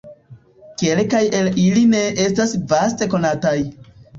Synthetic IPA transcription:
ke̞lkajeliline̞ʔe̞stasvaste̞ko̞nataj

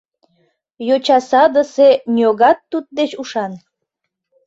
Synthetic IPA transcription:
jot͡ɕɑsɑd̪əsenʲioɣɑt̪ːut̪̚d̪et͡ɕuʃɑn

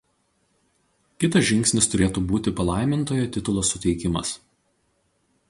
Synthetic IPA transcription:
kʲɪt̪ɐsʒʲɪŋksʲnʲɪst̪ʊɾʲeːt̪uːbuːt̪ʲɪpɐlˠɑˑɪmʲɪnt̪oːjoːt̪ʲɪt̪ʊlˠoːsʊt̪ʲɛɪkʲɪmɐ̰s

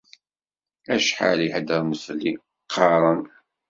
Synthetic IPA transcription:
æʃħa̰liħəd̪əɾˤməsli | qʰːɑɾˤən

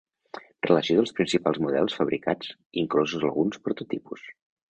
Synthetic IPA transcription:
rələsioðəlˠspɾinsipalˠzmuðɛ̰lˠsfəβɾikad͡ziŋklɔzuzlə̰ɣunspɾut̪ut̪ipus

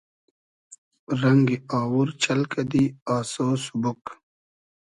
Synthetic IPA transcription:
ɾɐŋɡiaːwuɾt͡ɕɐlkɐd̪iːaːsoːsubuk

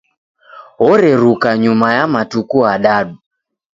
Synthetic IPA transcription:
ɔɾɛɾukaɲumajamatukuaɗaɗu

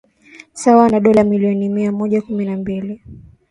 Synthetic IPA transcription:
sawanaɗɔlamiliɔnimiamɔʄakuminambili

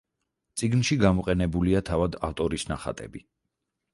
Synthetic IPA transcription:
t̪sʼiɡnʃiɡamɔqʼɛnɛbuliat̪ʰavad̪aft̪ʼɔɾisnaχa̰t̪ʼɛ̰bi

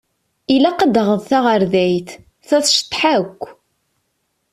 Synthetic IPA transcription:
ilæqəd̪əʁəðθaʁəɾðæjθ | θæθʃə̥t̪ˤːħakʷː

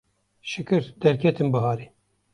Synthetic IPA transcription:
ʃɨkɨɾd̪̥ɛɾkʰɛt̪ɨnbɨɦɑːɾi

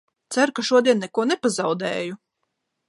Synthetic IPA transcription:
t̪sæɾkaʃuɔd̪iɛnːɛkuɔnɛpazɑwd̪ɛːju

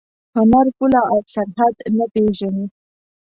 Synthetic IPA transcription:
hʊnaɾpʊlɑasaɾɦad̪napeʒani

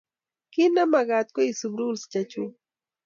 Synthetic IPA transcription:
kɪnamaɢat̪kʊjsʊbɾulst͡ʃat͡ʃu

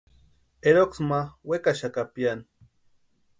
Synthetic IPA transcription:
eɾoksmawekaʃakapjan

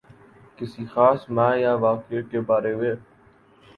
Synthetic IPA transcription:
kɪsiːxaːsmãːjaːʋaːkeʈkeːbaːɾeːɦʊeː

